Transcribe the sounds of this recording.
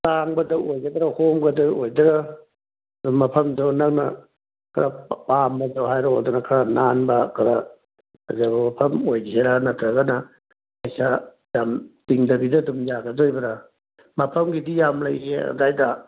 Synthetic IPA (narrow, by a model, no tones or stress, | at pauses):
taŋbɐdɐwojɡɐdɐɾahomɡɐdɐojdɐɾa | dumɐpʰɐmdawnɐk̚nɐ | kʰɐɾapambɐdawɦajɾoɔldɔnakʰɐɾananbɐkʰɐɾa | zabɐmɐpʰɐmojɡeɾanɐtʰɾɐɡɐnɐ | kɐjsa | jamtiŋdɐbidɐdumjaɡɐdojbɐɾa | mɐpʰɐmɡidijamlɐjea̰dajdɐ